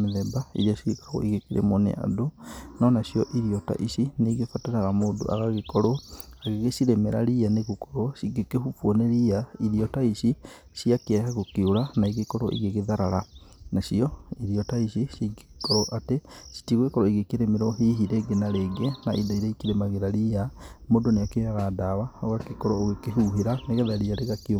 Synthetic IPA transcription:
meðɛbaḭɾasiwekaɣɔ̰iɣekeɾʔḛmɔnḛa̰donɔnasijɔʔiɾiɔta̰ʔisineɣefataɾaɾamoːdo̰ʔa̰ɣaɣekɔɾoaɣeɣesiɾemɛɾa̰ɾianeɣukɔɾosiɡekehufwɔneɾiaiɾiɔtaiʃi | siakeahaɣokeoɾanaiɣekɔɾɔ̰ʔḭɣeɣeðaɾaɾanaɕiɔiɾiɔtaiʃisiɡekɔɾɔʔatesi̥tiɣwekɔɾɔiɣekeɾemeɾɔɦiɦiɾeɡenaɾeɡenaʔidaiɾaikeɾemaɣeɾaɾiamoːdoneakeaɣadawaoɣakekɔɾɔoɣekeɦuːɦeɾaneɣeðaɾiaɾeɣakio

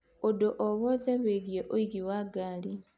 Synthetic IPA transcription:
odoʔoβoðeβeɡjeʔoiɡiwaɡaːli

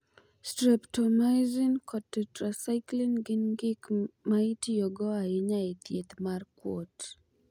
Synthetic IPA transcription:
stɾɛptɔnazinkʰɔtːɛtɾasajklinɡɪnɡɪkmaitijɔɡɔaɪɲait̪jet̪markwo̰t

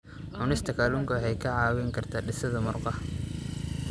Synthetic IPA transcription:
ʕʊnɪst̪ʰɐkʰaːluːŋkʰɐwħɛjkʰɐʕɑːwɛŋkʰɐrt̪ʰaːɖɪsɐðɐmʊrqɑh

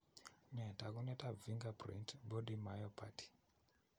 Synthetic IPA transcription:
netakunetaviŋɡaprḭntɓoɗimajopʰati̥

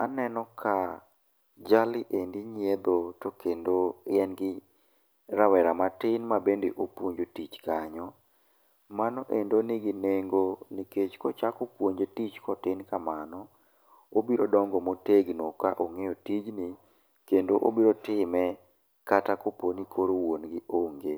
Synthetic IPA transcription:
anɛnɔkʰa | d͡ʒalɪʔendɪɲied̪otokendoɛnɡɪ | ɾawɛɾamatɪnmabendeʔopwoɲd͡ʒotit͡ʃkaɲɔ | manɔʔendonɪɡineŋɡoniket͡ʃkɔt͡ʃakopwoɲd͡ʒetit͡ʃkɔtɪnkamanɔ | obiɾodɔŋɡɔmoteɡnokaʔoŋejotid͡ʒni | kendoʔo̰biɾotɪmɛ | katakoponikʰoɾowonɡɪʔoŋɡe

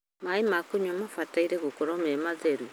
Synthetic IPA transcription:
maimakoɲwamafataiɾeɣokoɾomemazeɾwe

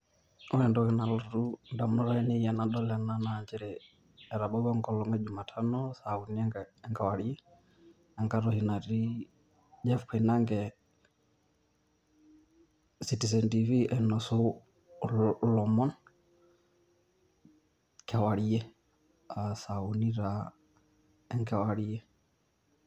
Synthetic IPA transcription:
ɔɛndɔkɛnalɔɾundamunɔɾaɛnijanaɗɔlɛnanaːd͡ʒɛɾɛː | ɾaɓɔiwaŋkɔlɔŋɡɛd͡ʒumatʰanɔsauniɛŋɡawaɾiɛ | aŋɡaɾɔhinaɾi | d͡ʒɛfkʰainaŋɡɛ | sitis̬ɛntiviʔɛnɔsɔ | lɔmɔn | kʰɛwaɾiɛ | asauniɾa | ɛŋkɛwaɾijɛ

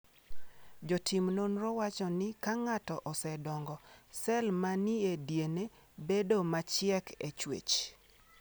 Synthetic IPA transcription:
d͡ʒotʰɪmnonrɔwat͡ʃɔnɪkaŋatɔʔɔsɛdɔŋɡɔsɛlmanɪedjene | bedomat͡ʃɪɛket͡ʃwḛt͡ʃ

